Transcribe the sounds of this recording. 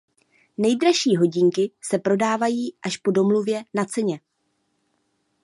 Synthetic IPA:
nɛjdɾaʃiːɦo̞ɟɪŋkɪsɛpɾo̞daːvajiːʔaʃpo̞do̞mluvjɛnat͡sɛɲɛ

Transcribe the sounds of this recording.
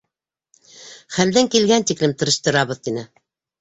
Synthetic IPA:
χæld̪æŋkilɡænt̪iklɘmt̪ɤ̆ɾɤ̆ʃt̪ɤ̆ɾɑβɤ̆ðt̪inɘ

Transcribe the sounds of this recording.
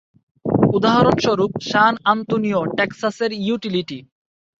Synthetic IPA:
ud̪aɦaɾonʃɔɾup̚ʃanant̪onijoʈeksaseɾjuʈiliʈi

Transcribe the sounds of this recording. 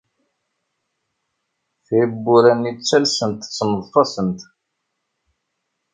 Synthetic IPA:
θibːʊɾænit͡sːælsənt̪t͡sːməðˤfɑsənt̪

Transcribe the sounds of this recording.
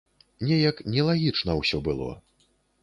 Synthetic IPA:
nʲɛjɐknʲɛlˠaɣʲit͡ʂnɐwsʲɔbɨlˠɔ̰

